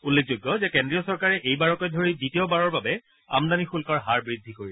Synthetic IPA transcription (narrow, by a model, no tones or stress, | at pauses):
ulːek̚ʰzoɡːɔzɛkendɹijɔsɔɹkaɹɛʔejbaɹɔkɔjdʱoɹiditiɔbaɹɔɹbabɛ | a̰mdanixulkɔɹɦaɹbɹid̪ʱːikoɹilɛ